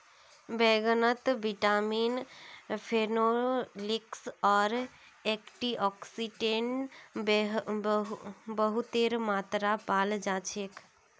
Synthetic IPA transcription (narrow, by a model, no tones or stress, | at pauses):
bɛɡənət̪biʈaminfʰenoliksɔɾ | ɛkʈiʔɔksiʈeɳʈ | bəɦut̪eɾmat̪ɾapald͡ʒat͡ʃʰek